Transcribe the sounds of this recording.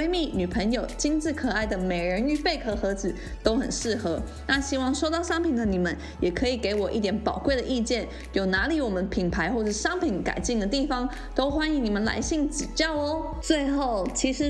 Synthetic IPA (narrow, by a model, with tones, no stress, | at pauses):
e˥ɪmi˥˩ny˨˩pʰə˧˥ŋjo˨˩ʊt͡ɕi˥nt͡sɹ̩˥˩kʰɤ˨˩a˥˩ɪd̪ə˩me˨˩ɪɻə˧˥ny˥˨˩pe˥˩ɪkʰɤ˧˥xɤ˧˥t͡sɹ̩˨˦ | t̪o˥ʊxə̰˨˩nʂɻ̩˥˩xɤ˧˥ | na˥˧ɕi˥wɑ˥˧ŋʂo˥ʊt̪ɑ˥˩ʊʂɑ˥ŋpʰi˨˩nd̪ə˦ni˨˩mə̰˦n | jɛ˨˩kʰɤ˧˥i˨˩ke˧˥ɪwɔ˨˩ʔi˥˩t̪jɛ˧˥npɑ˨˩ʊkwe˥˩ɪd̪ə˩ʔi˥˧t͡ɕjɛ˥˩n | jo˨˩ʊna˧˥li˧˥wɔ˨˩mə˦npʰi˨˩npʰa˧˥ɪxwɔ˥˧ʂ̩˥˩ʂɑ˥ŋpʰi˧˥nka̰˨˩ɪt͡ɕi˥˩ŋd̪ə˨˩t̪i˥˩fɑ˨˩ŋ | t̪o˥ʊxwa˥ni˧˥ŋni˨˩mə˦nla̰˧˥ɪɕi˥˩ŋt͡sɻ̩˨˩t͡ɕjɑ˥˩ʊə˦ | t͡swe˥˧ɪxo˥˩ʊt͡ɕʰi˧˥ʂɻ̩˧˥